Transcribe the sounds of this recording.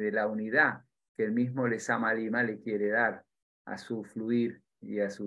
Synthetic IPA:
ðelauniða | keelmizmolesamalimalekje̞ɾeðaɾ | a̰sufluiɾ | ḭasu

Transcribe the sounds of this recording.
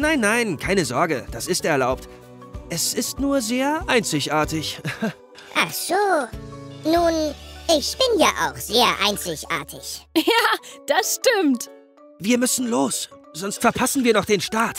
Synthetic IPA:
naɪnːaɪnkʰaɪnəzɔɐɡəd̥asɪstɛɐlaʊpt | ʔɛsɪstnuːɐzeːɐʔaɪnt͡sɪçʔaːɐtɪç | ʔaχz̥oː | nuːnʔɪçb̥ɪnja̰ːʔa̰ʊxz̥eːɐʔa̰ɪnt͡sɪçʔa̰ːɐtʰɪ̰çjaːd̥asʃtɪmt | viːɐmʏsn̩loːsz̥ɔnstfɛɐpʰasn̩viːɐnɔχd̥eːnʃtaːt

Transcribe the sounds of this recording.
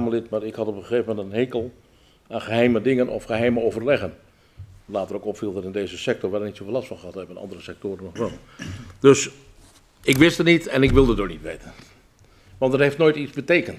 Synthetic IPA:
məlɪtmaɾɪkhɑtɔpəxeːvəmɛntənɦeːkəlˠ | aːnxəɦɛjmədɪŋənʔɔ̰fxəɦɛjməoːvərlɛɣən | laːtərokɔpfilˠdɑtɪndeːzəsɛk̚tɔrʋɛlˠənitsofːlastfɔnχəɦɑtɛbənɑ̰ndərəsɛk̚toːɾənːɔxʋɛlˠd̥øs | ɪkʋɪstənitɛnɪkʋɪlˠdədoːnitʋeːtən | ʋɑntdətheftnoːjtit͡sbəteːkənt

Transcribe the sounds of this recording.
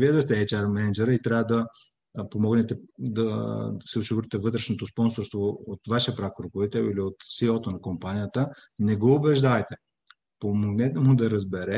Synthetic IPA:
viɛd̪ɐst̪ɛɛt͡ʃaɾmɛnɛd͡ʒɛɾit̪ɾʲavəd̪ɐ | pomɔɡnɛt̪ɛd̪ɐsɛosiɡʊɾit̪ɛvɤt̪ɾɛʃnot̪ospɔnsoɾst̪voot̪vaʃɛəpɾakɾokovit̪ɛliliot̪silˠot̪onɐkompanijət̪ənɛɡoːbɛʒd̪avɐjt̪ɛ | pomoɡnɛt̪ɛmʊd̪ɐɾɐzbɛɾɛ

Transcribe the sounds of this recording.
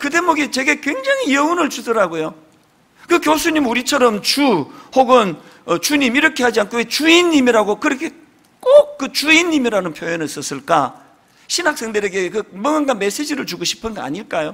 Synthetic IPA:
kɯde̞muɡit͡ɕe̞ɡekwe̞ŋd͡ʑaŋijʌunɯɭt͡ɕudʌɾaɡojo | kɯkjosʰuɲimuɾit͡ɕʰʌɾʌmt͡ɕuhoɡɯn | ʌt͡ɕuɲimiɾʌkʰe̞had͡ʑiankʰowet͡ɕuinːimiɾaɡokɯɾʌkʰe̞ | k͈ok̚k͈ɯt͡ɕuinːimiɾanɯnpʰjojonɯɭs͈ʌs͈ɯɭk͈a | ɕʰinak̚s͈eŋd̪ɯɾeɡe̞kɯmʌŋɯnɡanme̞s͈e̞d͡ʑiɾɯɭt͡ɕuɡoɕʰi̥pʰɯnɡʌa̰ɲiɭk͈ajo

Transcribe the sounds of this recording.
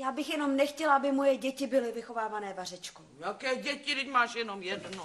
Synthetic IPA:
jaːbɪxjɛno̞mnɛxcɛlʔabɪmojɛɟɛcɪbɪlɪvɪxo̞vaːvanɛːvarɛt͡ʃkojakɛːɟɛcɪt̪ɛcmaːʃjɛnomjɛdno

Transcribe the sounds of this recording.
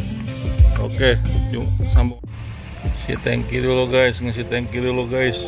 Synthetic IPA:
o̰keusamb | sḭt̪ɛ̰ŋkiɾuloɡaisŋas̬it̪ɛŋkiɾuloɡais

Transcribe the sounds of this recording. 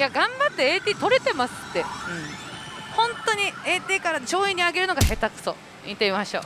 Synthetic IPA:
jaɡãmbat̪ːe̞et̪ʲiːt̪o̞ɾe̞t̪e̞masɨ̥t̪ːe̞ɯ̟̃ɴhõ̞nt̪o̞ɲ̟ie̞ːt̪ʲiːkaɾat͡ɕo̞ːiɲ̟ːiaɡe̞ɾɯ̟no̞ɡahe̞t̪akɯ̟̥so̞̰ | ḭ̃nt̪eimaɕo̞̰ː

